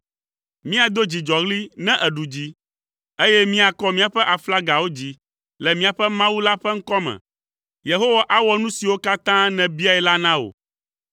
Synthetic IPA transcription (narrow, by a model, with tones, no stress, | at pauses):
mĩ˦a˨d̪o˦d͡ʑi˨d͡ʒɔ˨ɣli˦nɛ̃˦ʔɛ˨ɖu˨d͡ʑi˦ | e˦jɛ˦mĩ˦a˨kɔ˦mĩ˦a˨ɸɛ˦ʔa˨fla˦ɡa˨wo˦d͡ʑi˦ | lɛ˨mĩ˦a˨ɸɛ˦mã˦wu˦la˦ɸɛ˦ŋ̩˦kɔ˦mɛ̰̃˨ | je˨ɦo˦wa˦ʔa˦wɔ˦nũ˦si˨wo˦ka˦t̪ã˦nɛ̃˨bi˦a˨ɛ˨la˦nã˦o̰˨